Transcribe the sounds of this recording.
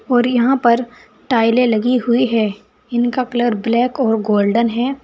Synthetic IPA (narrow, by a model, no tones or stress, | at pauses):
ɔːɾjɐɦãpɐɾ | ʈaːɪlẽlɐɡiɦʊiɦɛː | ɪnkakɐləɾblɛːkɔːɾɡoːlɖənɦɛː